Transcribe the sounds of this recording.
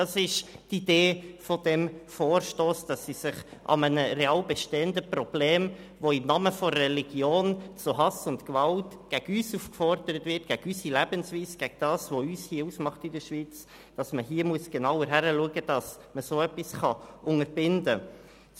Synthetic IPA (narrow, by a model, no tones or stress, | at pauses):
dɑsɪʃtid̥eːfodɛmfoːɾʃtoːsd̥ɑsːisɪχʔɑ̰mənəɾeɑːlbɛʃteːəndəpɾɔb̥leːm | ʋoɪmnɑməfɔːɛliɡ̥joːnt͡sʊɦɑsʊntkvɑltɡ̥æɡ̥yːsuːfkfɔɾd̥əɾətvɪɾt̚ɡ̥æɡ̥ysilæbənsviːsɡ̥æɡ̚d̥ɑːsʋoyːshiːəuːsmɑχtɪdəɾʃviːt͡s | d̥ɑsməɦiːəmuəsɡ̥enɑʊəɾɦæɾəluəɡəd̥ɑs | məsoːœpːisχɑʊŋəɾbɪndə